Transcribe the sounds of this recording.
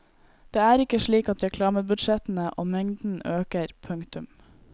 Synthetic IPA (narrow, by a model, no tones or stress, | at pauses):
d̪̥eːæːɾɪkəʃɭiːkɑt̪ɾɛkʰlɑːməbʉd̪ʃɛt̪n̩əʔo̰ːmɛŋd̪n̩øːkəɾpʰʉŋkt̪ʉm